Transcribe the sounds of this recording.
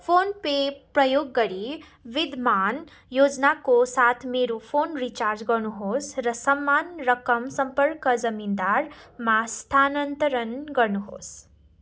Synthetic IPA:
pʰoːnpepɾəjoːɡːʌɾi | ʋid̪ʱman | joːd͡ʒnakosat̪ʰmeːɾupʰoːnɾit͡ʃaːɾd͡ʒɡʌɾnuɦosɾʌsəmːanɾʌkəmsʌmpəɾkəzəmind̪aɾmast̪ʰanənt̪əɾənɡʌɾnuɦo̰ːs

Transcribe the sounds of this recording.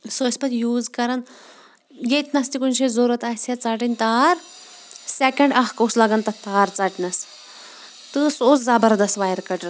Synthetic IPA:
soispɐt̪juːzkɐɾɐn | jet̪nɐst̪ikunʲʃʰezoːɾɐt̪aːsɐt͡saːʈinʲt̪aːɾ | sekʲɐɳɖɐɦkoːslɐɡɐnt̪ɐt̪aːɾt͡saʈinɐs | t̪ɨsoːt͡szɐbɐɾd̪ɐst̪ʋaːjɐɾkɐʈ

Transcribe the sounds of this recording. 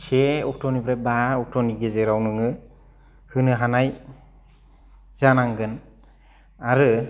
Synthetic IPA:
seɔk̚tʰɔnibɾebaɔk̚tʰɔniɡezeɾawnɯŋɯ | hɯnɯɦanaj | z̥anaŋɡɯn | aɾɯ

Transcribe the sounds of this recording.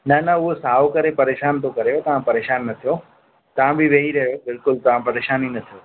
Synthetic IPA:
nɐnɐʊɦosaːokɐɾepɐɾeːʃaːnt̪ʰokɐɾeot̪ɐʋ̤ãpɐɾeːʃaːnːɐt̪ʰijo | t̪ɐʋ̤ãbʱɪʋeːɦiɾɐɦijobɪlkʊlt̪ɐʋ̤ãpɐɾeːʃaːninɐt̪ʰijo

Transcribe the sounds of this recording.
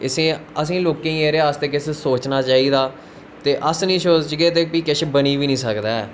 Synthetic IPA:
ɪsẽːəs̬ĩːloːkẽːeːɾeəst̪eːkɪsesoːt͡ʃnaːt͡ʃaːiːd̪aː | t̪eːʔəsnĩːsoːd͡ʒt͡ʃɡeːt̪eːpiːkɪʃbəniːʋiːnĩːsəkd̪aːɛː

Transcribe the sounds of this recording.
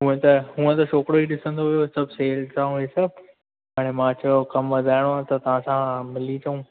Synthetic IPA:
ɦũẽt̪ɐɦũːə̃t̪ɐʃoːkɾoiɗɪsə̃nd̪oɦijosɐbʱseːlt̪aːũɦesɐb̚ʱ | aːɽ̃emãt͡ɕɐokɐmʋɐd̪ʱaːɪɽ̃oãt̪ɐt̪ɐʋ̤ãsãmɪlit͡ɕʰɐũː

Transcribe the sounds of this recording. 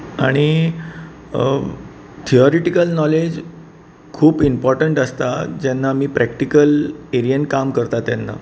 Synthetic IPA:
aɽ̃i | t̪ʰiɔɾeʈikəlnɔled͡ʑ | kʰuːpimpɔɾʈəɳʈəst̪ad͡ʑɛnːamiːpɾæk̚ʈikəleɾiənkamkəɾt̪at̪janːa̰

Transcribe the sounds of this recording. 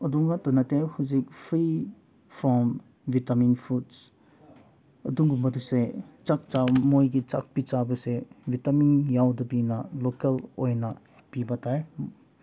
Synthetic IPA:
ɐduŋatɔnɐtehuzik̚pʰɾi | pʰɔm | vitaminpʰuts | ɐ̰duŋɡumɐduset͡ʃak̚t͡ʃamojɡit͡ʃa̰k̚pit͡ʃabɐsevitaminjawdɐbinɐlokelojnɐ | pibɐtʰaj

